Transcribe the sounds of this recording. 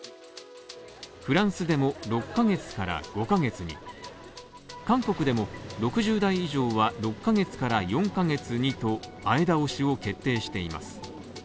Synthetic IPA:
ɸɯ̟ɾãɰ̃sɨd̪e̞moɾo̞kːaɡe̞t͡sɨ̥kaɾa̰ɡ̥o̞kaɡe̞t͡sɨɲ̟ḭ | kãŋko̞kɯ̟d̪e̞mo̞ɾo̞kɯ̟ʑɨːd̪aiːʑo̞ːβaɾo̞kːaɡe̞t͡sɨ̥kaɾajõ̞ŋkaɡe̞t͡sɨɲ̟it̪o̞aid̪aoɕio̞ke̞t̪ːe̞ːɕi̥t̪e̞ima̰sɨ̥

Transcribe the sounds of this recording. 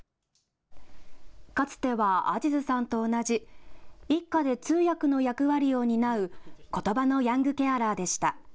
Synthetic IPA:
kat͡sɨ̥t̪e̞βaa̰d͡ʑizɨsãnt̪o̞ːnaʑi | ikːad̪e̞t͡sɨːjakɯ̟no̞jakɯ̟βaɾʲijo̞ːɲ̟inaɯ̟ko̞t̪o̞bano̞jãŋɡɯ̟kʲe̞aɾaːd̪e̞ɕi̥t̪a

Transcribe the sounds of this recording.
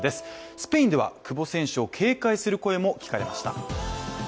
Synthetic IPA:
d̪e̞sɨ̥sɨ̥pe̞ĩnd̪e̞βa̰kɯ̟bo̞sẽ̞ɰ̃ɕɯo̞kʰe̞ːkaisɨɾɯ̟ko̞e̞mo̞kʲi̥kaɾe̞maɕi̥t̪a̰

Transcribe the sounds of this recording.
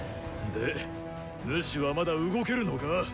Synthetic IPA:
d̪e | mɯ̟ɕiβamad̪aɯ̟ɡo̞ke̞ɾɯ̟no̞ka

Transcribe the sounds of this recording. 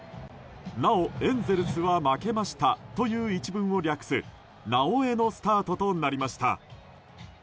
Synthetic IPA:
nao̞ẽ̞nze̞ɾɯ̟sɨβamake̞maɕi̥t̪at̪o̞jɯ̟ːit͡ɕibɯ̟̃ɰ̃o̞ɾʲakɯ̟̥sɨ | naoe̞no̞sɨ̥t̪aːt̪o̞t̪o̞naɾʲimaɕi̥t̪a̰

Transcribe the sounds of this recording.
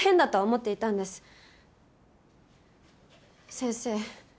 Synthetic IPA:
hẽ̞nd̪at̪o̞omo̞t̪ːe̞it̪ãnd̪e̞sɨ̥ | sẽɰse̞ː

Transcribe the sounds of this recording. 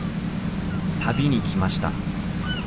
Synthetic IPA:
t̪ʰabʲiɲ̟ikʲimaɕi̥t̪a̰

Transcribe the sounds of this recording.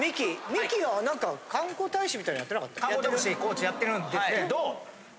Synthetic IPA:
mʲikʲimʲikʲiɡanãŋkakãŋkoːt̪aiɕimʲit̪aĩɲijat̪ːeakat̪ːajatot̪ɾikoːt͡ɕijat̪ːe̞ɾɯnd̪eked̪o

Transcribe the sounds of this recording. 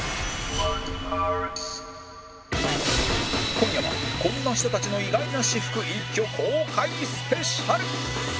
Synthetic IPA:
a | kõ̞j̃jaβakõ̞nːaɕ̬i̥t̪o̞t̪at͡ɕino̞iɡainaɕiɸɯ̟̥kɯ̟ĩŋkʲo̞kʰoːkʰaisɨ̥pe̞ɕaɾɯ̟

